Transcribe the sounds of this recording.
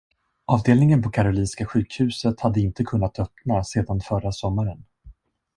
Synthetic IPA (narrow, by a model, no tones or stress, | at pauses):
ʔɑːvd̪eːlnɪŋənpʰɔkʰaɾʊliːnskaɧʉ̟ːkhʉ̟ːsət̪had̪ːəɪnt̪əkʰɵnːat̪œpnaseːd̪anfœɾasɔmːaɾən